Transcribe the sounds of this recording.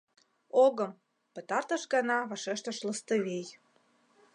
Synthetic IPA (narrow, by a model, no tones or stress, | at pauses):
oɣə̆m | pə̆t̪ɑrt̪əʃɡɑnɑβɑʃeʃt̪əʃləst̪əβej